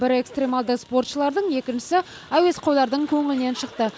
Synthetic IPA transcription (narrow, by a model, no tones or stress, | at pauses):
bɪɾe̞kst̪ɾʲe̞mɑlˠd̪əspo̞rt̪ʃəlˠɑɾd̪əɴje̞kʲɪnʃɪ̥sɪ | æwe̞sqʰojlˠɑɾd̪əɴkʲʰɵŋɪlɪne̞nʃəq̚t̪ə